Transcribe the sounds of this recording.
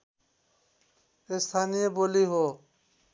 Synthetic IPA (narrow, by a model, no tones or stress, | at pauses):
est̪ʰanijeboliɦo